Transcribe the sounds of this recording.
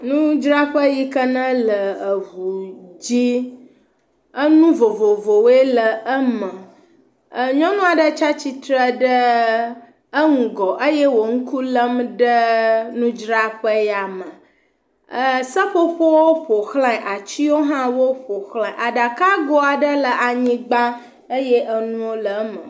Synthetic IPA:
nũ˦d͡ʒɾa˦ɸə˦ji˦kə˦nə̃˦lə˨ə˨ɦu˨d͡ʑi˦ | ə˦nũ˦vo˨vo˨vo˨we˦lə˨ə˦mə˨ | ə˨ɲɔ̃˦nũ˦a˨ɖə˦t͡ʃa˦t͡ɕi˦t̪ɾə˦ɖə˦ | ə˦ŋũ˨ɡɔ˨ʔə˦je˦wo˨ŋ̩˦ku˦lə˦mɖə˦nũ˦d͡ʒɾa˦ɸə˦ja˨mə˨ | ə˨sə˦ɸo˦ɸo˦wo˦ɸo˨xlã˦˨ʔa˨t͡ɕi˦wo˦ɦã˦wo˦ɸo˨xlã˨ʔa˨ɖa˨ka˦ɡo˦a˨ɖə˦lə˨ʔa˨ɲĩ˦ɡ͡ba˦ | ə˦je˦ʔə˦nũ˦wo˦lə˨˦mə̰˨

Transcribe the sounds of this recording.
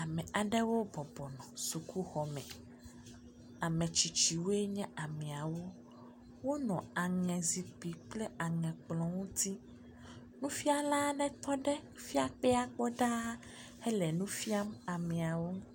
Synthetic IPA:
a˨mɛ̃˨a˨ɖɛ˦wo˦bɔ˨bɔ˨nɔ̃˨su˨ku˦xɔ˨mɛ̃˨ | a˨mɛ̃˨t͡ɕi˨t͡ɕi˨wo˦e˦ɲɛ̃˦a˨mɛ̃˨a˨wo˦ | wo˦nɔ̃˨a˨ŋɛ̃˨zi˨k͡pi˨k͡ple˦a˨ŋɛ̃˨k͡plɔ̃˨wo˦t̪i˦ | nũ˦fi˦a˦la˦ɖɛ˦t̪ɔ˦ɖɛ˦ | fi˦a˦k͡pɛ˦a˦k͡pɔ˦ɖa˦ | he˦lɛ˨nũ˦fi˦a˦ma˨mɛ̃˨a˨wo˦

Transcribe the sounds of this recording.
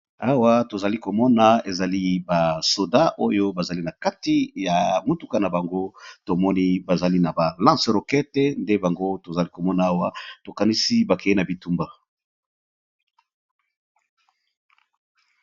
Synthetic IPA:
a˦wa˦to˨za˨li˦ko˨mɔ˦na˨e˨za˨li˦ba˨so˨da˦ʔo˦jo˦ba˨za˨li˦na˨ka˦ti˦ja˨mo˨tu˦ka˦na˨ba˨ŋɡo˦to˨mɔ˦ni˦ba˨za˨li˦na˨ba˨lã˦sʁo˨kɛ˦te˦nde˦ba˨ŋɡo˦to˨za˨li˦ko˨mɔ˦na˨˦a˦wa˦to˨ka˨ni˦si˦ba˨kɛ˨e˦na˨bi˨tu˦mba˨

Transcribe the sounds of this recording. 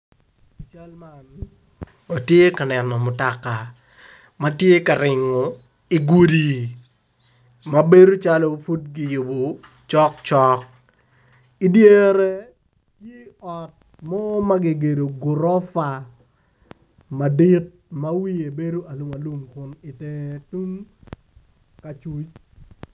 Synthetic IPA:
t͡ʃa˦lman | a˨tje˦ka˨nɛ˨nɔ˨mʊ˨ta˨ka˨ | ma˦tje˦ka˨ɾɪ˨ŋɔ˨ | i˨ɡu˦di˨ | ma˦be˦ɾo˦t͡ʃa˦lo˦fu˦t̚ɡɪ˨jʊ˨bo˨ | t͡ʃɔ˦kt͡ʃɔ˦k̚ | i˦dje˦ɾe˦ | kje˦ɔ˨t̚ | mɔ˦ma˦ɡɪ˨ɡe˨do˨ɡʊ˨ɾɔ˦fa˨ | ma˨di˦t̚ma˦wi˦e˨be˦do˦a˨lu˨ma˨lu˦mkʊ˨nɪ˨te˦tu˦ŋ | ka˨t͡ʃu˦t͡ʃ

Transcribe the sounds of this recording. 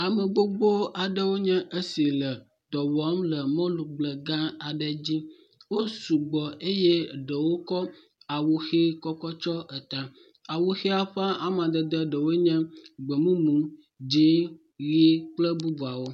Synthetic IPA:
a˨mə˨ɡ͡bo˦ɡ͡bo˦a˨ɖə˦wo˦ɲɛ̃˦ʔə˦si˨lə˨ | d̪̥ɔ˨wa˦mlə˨mɔ̃˦lu˨ɡ͡blə˨ɡã˦a˨ɖə˦d͡ʑi˦ | wo˦su˨ɡ͡bɔ˨ʔe˦je˦ɖə˨wo˦kɔ˦ | a˨wu˨xe˦kɔ˦kɔ˦t͡ʃɔ˦ʔə˨t̪ã˨ | a˨wu˨xe˦a˦ɸã˦ʔa˨mã˨d̪ə˨d̪ə˦ɖə˨wo˦ɲɛ̃˦ɡ͡bə˨mũ˦mũ˨˦ | d͡ʑĩ˨˦ | ɣi˦k͡plə˦bu˦bu˨a˨wo˦

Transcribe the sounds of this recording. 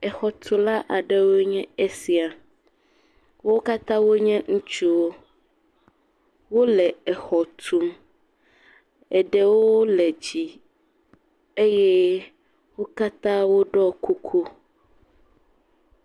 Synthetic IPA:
ɛ˨xɔ˨t̪ʰu˨la˦ʔa˨ɖɛ˦wo˦ɲɛ̃˦ɛ˦si˦a˨ | wo˦ka˦t̪ã˦wo˦ɲɛ̃˦ŋũ˦t͡ʃu˦wo˦ | wo˦lɛ˨ɛ˨xɔ˨t̪ʰu˨m | ɛ˨ɖɛ˦wo˦lɛ˨d͡ʑi˨ | e˦jɛ˦ | wo˦ka˦t̪ã˦wo˦ɖɔ˦kʰu˦kʰu˦

